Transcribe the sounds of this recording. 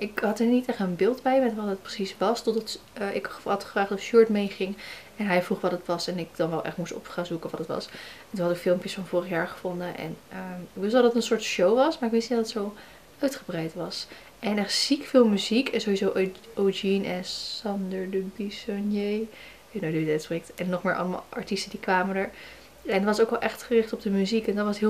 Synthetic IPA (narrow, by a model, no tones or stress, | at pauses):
ʔɪkɦɑtɛɹnitɛχtənbɪːlˠdbɛjmɛtʋɑtət̚prəsisʋɑstɔdɑtːɪkəɑtχəfraːχtɔfʃʊɹtmejχɪŋ | ɛnɦɛjvruχʋɑtətʋɑsɛnɪk̚d̥ɑnʋɛlˠʔɛ̰χtmustɔ̰pχanzukəʋɑtdətʋɑ̰sntunɦɑtɪkfɪlˠmpjəsfɑnvʊːrəχjaːɹχə̥vɔndəʔɛ̰nəɪkʋɪstdɑdɑtənsʊːɹtʃowʋɑsmaɹɪkʋɪsnitətsow | œɥtχəbrɛjtʋɑs | ʔɛnɛχtsikfɪlˠmyzikɛnzowɦizowʔod͡ʒinɛnsɑndəɹdəbisɔnje | enodødɛtsprɪk̚tɛnːɔχmɪːɹʔɑ̰lˠəma̰ːlˠʔɑ̰ɹtistədikʋaːməndəɹ | ɛndtʋɑsowkɛlˠʔɛχtχərɪχtɔb̚dəmyzikɛndɑtʋɑstɦɪ